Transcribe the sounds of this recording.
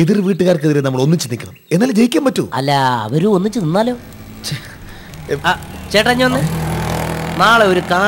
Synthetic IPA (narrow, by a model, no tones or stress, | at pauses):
eðirʋiːʈːɨɣaːrkɨðiɾenɐmːɐɭo̞nːit͡ɕːinikʲːɐɳɐme̞nːaːld͡ʑejikʲːaːmpɐtːuɐ̰lːɐɐ̰ʋɐɾuo̞nːit͡ɕːɨninːaːlo̞ː | at͡ɕejiʈːɐɲːuonːɨ | naːɭeo̞ɾukaː